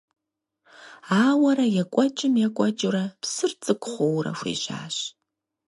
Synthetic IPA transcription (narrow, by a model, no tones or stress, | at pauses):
aːwɐɾɐjɛkʷʼɔt͡ʃʼɪmjɛkʷʼɔt͡ʃʼʊɾɐpsɨrt͡sʼɨkʷʼʊχʷowrɐ̰ʂʷḭːʒa̰ːɕ